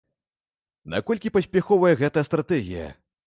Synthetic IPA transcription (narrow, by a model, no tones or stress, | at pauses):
na̰kɔlʲkʲipɐsʲpʲaxɔvɐjɛɣɛt̪ɐjɐst̪ɾat̪ɛɣʲijɐ̰